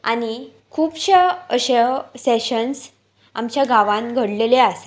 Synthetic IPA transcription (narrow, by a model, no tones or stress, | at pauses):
a̰ni | kʰuːpɕeəɕeseɕəns | amt͡ɕjaɡaʋãnɡʱəɽleleas